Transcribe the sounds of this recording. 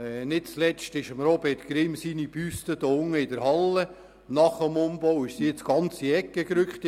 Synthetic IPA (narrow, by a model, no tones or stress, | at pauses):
nɪt̚t͡slɛstɪʃəmɾɔbɛtɡ̥ɾɪmsinipyst̪əd̥̪oʊŋːəɪd̥əɾhɑlːə | nɑχəmʊmbowɪʃsiɪt͡sɡ̥ɑnt͡siɛkːəkɾʏkχt̪